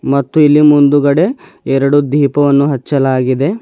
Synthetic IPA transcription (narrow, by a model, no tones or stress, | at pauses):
mɐt̪ːuilːimund̪uɡɐɽe̞ | ɛɾɐɽud̪ʱiːpɐʋɐnːuɦɐt͡ʃːɐlaːɡid̪e̞